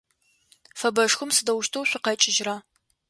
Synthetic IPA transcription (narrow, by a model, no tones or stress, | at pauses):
fɐbɐʂxʊmsɨdɐwʃtʰowɕʷɪqɐt͡ʃʼɪʒraː